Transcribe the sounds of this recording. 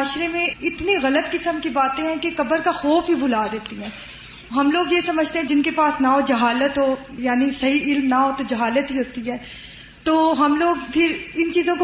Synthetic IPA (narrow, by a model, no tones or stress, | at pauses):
ʃɾemẽɪt̪niɣɐlət̪kɪsəmkibaːt̪ẽɦɛ̃kekɐbəɾkaxɔːfɦibʊlaːɾɛːt̪iɦɛ̃ː | ɦɐmloːɡjesɐməd͡ʒʱt̪ẽɦɛ̃d͡ʒɪnkepaːsnaɦod͡ʒɐɦaːlət̪ɦojaːnisɐɦiɪlmnaɦot̪od͡ʒɐɦaːlət̪ɦiɦoːt̪iɦɛː | t̪oːɦɐmloːɡpʰɪɾɪnt͡ʃiːzõk